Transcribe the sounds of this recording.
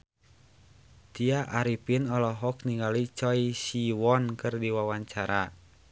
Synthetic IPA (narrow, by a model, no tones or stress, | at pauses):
t̪iaʔaɾipinɔlɔɦɔk̚niŋɡalit͡ʃɔisiwɔnkɨrdiwawaɲt͡ʃaɾa